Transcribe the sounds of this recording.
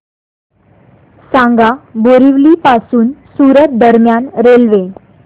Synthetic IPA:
sãŋɡaboɾiʋliːpasuːnsuɾət̪̚d̪əɾmjanɾelʋe

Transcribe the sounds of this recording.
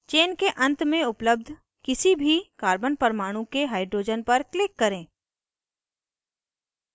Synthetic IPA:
t͡ʃeːnkeʔɐ̃nt̪mẽʊpləb̚d̪ʱ | kɪsibʱikaːɾbənpəɾmaːɽ̃ũkeɦaːɪɖɾoːd͡ʒənpɐɾklɪkːɐɾẽː

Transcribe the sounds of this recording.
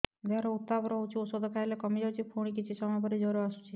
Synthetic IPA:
deaɾɔut̪ːabɔɾɔɦut͡ʃʰiosɔd̪ɔkʰaɦilekɔmid͡ʒɔt͡ʃʰipʰuɽ̃ik̬it͡ʃʰisɔmajpɔɾid͡ʒɔɾɔasu̥t͡ʃʰi

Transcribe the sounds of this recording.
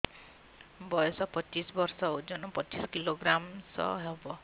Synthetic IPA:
bɔjɔsɔpɔt͡ʃisbɔɾsɔud͡ʒɔnɔpɔt͡ʃiskiloɡɾamsɔ̰ɦebɔ

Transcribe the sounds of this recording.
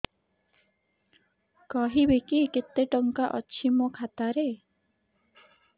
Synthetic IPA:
kɔɦibekiket̪ːeʈɔŋkaʔɔ̰t͡ʃʰimɔkʰat̪aɾe

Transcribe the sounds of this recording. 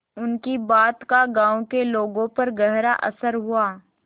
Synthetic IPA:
ʊnkibaːt̪kaɡãːõkeloːɡõpɐɾɡɐɦɾa̰ʔɐsəɾɦʊaː

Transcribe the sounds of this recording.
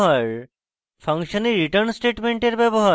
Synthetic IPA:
ɦaɾ | pʰʌŋʃɔniɾiʈəɾnsʈeʈmeɳʈeɾbɛbɔɦa

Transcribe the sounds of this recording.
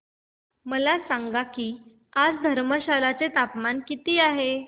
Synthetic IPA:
məlasaŋɡakiː | ad͡zd̪ʱəɾməɕalat͡set̪apmankit̪iːaɦe

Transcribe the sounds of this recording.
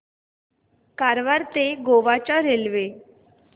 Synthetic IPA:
kaɾʋaɾt̪eɡoʋat͡ɕaɾelʋe

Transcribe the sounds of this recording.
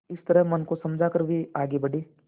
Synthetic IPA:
ɪst̪əɾəɦmɐnkosɐmd͡ʒʱakəɾbʱeaːɡebɐɽeː

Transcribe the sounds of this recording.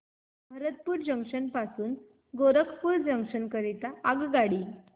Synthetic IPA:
bʱəɾət̪̚puːɾd͡ʑəŋkʂənpasuːn | ɡoɾəkʰpuːɾd͡ʑəŋkʂənkəɾit̪aaɡɡaɽiː

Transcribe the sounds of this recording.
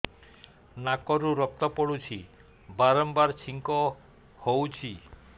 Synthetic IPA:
nakɔɾuɾɔk̚t̪ɔpɔɽut͡ʃʰi | baɾɔmbaɾt͡ʃʰiŋkɔ | howt͡ʃʰi

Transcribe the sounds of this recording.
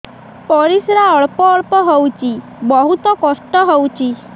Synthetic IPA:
pɔɾisɾaəɭpɔːɭpɔɦɔwt͡ʃʰi | bəɦut̪ɔkɔʂʈɔɦɔũt͡ʃʰi

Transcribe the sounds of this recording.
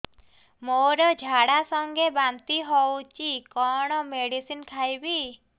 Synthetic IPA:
moɾɔd͡ʒʱaɽasɔŋɡebant̪iɦɔwt͡ʃikɔɽ̃ɔmeɽisinkʰajbi

